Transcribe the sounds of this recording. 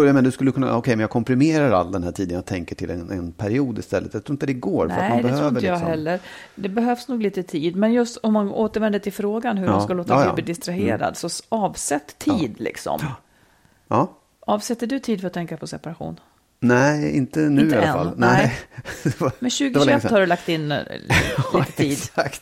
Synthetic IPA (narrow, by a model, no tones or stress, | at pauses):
jajmenad̪ɵskɵlːəkʰɵnːa̰ɔkʰɛjmɛnjaɡkʰɔmpɾɪmeːɾaɾa̰ld̪ɛnhæːʈʰiːd̪ənjat̪ʰɛŋkəʈʰɪlɛnɛnpʰæɾɪuːd̪ɪ̰st̪ɛlːət̪jat̪ʰɾuːɪnt̪d̪ɛɡoːɾfəɾat̪md̪bɛh̪ɾøːɪnɾləjahɛlːəɾ | d̪ɛbɛɦœvsnuːɡliːt̪ət̪ʰiːd̪mɛnjɵst̪ɔmːanoːt̪əɾvɛnd̪ət̪ʰɪlfɾoːɡanɦɵmanskaloːt̪a̰b̪liːd̪ɪst̪ɾaɦḛːɾa̰d̪sɔɑːvsɛt̪ːʰiːd̪lɪ̰ksɔ̰m | ɑː | ɑːvsɛt̪ːəɖɵt̪ʰiːd̪fœɾat̪ːʰɛŋkapʰɔsɛpaɾaɧṵːn | næɪ̰nt̪ənʉːalːafa̰lnæ | d̪ɛmɛɕʉ̟ːɡɪaɛt̪ːhaɖɛlak̚t̪ɪnː | iːt̪ət̪ʰiːd̪akt̪